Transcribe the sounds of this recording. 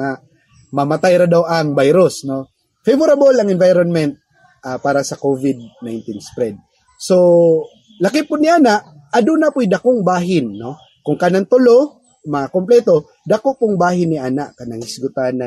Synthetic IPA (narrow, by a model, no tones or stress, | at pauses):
a | mɐmɐt̪ajɾad̪awʔɐŋbajɾosno̞ | fɛvʊɾabolɐŋɛnvajɾonmɛnt̪̚ | ʔapaːɾɐsɐkovɪd̪̚najnt̪ɪnspɾɛd̪̚ | so | lɐkɪpʊnɪʔaːnaʔ | ɐd̪ʊnapʊʔjd̪ɐkoŋbaːɦɪnːo̞ | kʊŋkanaŋt̪ʊlo | mɐakomplɛt̪o̞ | d̪ɐkoʔpʊŋbaːɦɪnːɪʔaːnaʔkɐnɐŋɪsɪɡʊt̪anɐ